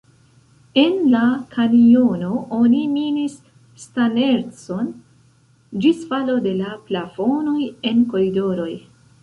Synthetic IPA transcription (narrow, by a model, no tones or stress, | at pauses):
e̞nlakʰanio̞no̞ʔoniminisː | tane̞ɾso̞n | d͡ʒisfalo̞de̞laplafo̞no̞je̞nko̞ɾido̞ɾo̞j